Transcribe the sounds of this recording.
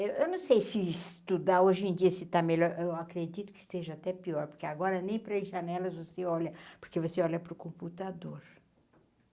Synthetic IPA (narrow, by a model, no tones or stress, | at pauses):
ewʔewnɐ̃w̃sejsɪist̪ud̪aoʒẽj̃d͡ʒiɐsɪt̪ameʎɔɾʔewakɾed͡ʒit̪ʊ̥kɪ̥st̪eʒɐat̪ɛpiɔɾpoɾkeaɡɔɾɐnẽj̃pɾɐʒɐnɛlɐzvoseɔʎɐpoɾkevoseɔʎɐpɾʊkõmput̪ad̪oɾ